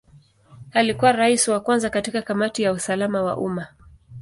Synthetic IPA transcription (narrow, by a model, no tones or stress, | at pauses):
alikuwaɾaisiwakwanzakatikakamatijausalamawa̰ʔṵma